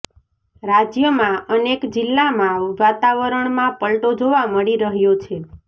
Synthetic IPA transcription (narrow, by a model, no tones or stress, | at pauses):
ɾad͡ʒjəmãənekd͡ʒɪlːamãʋʋat̪aʋəɾəɳmãpəlʈod͡ʒoʋaməɽiɾəɦjot͡ʃʰe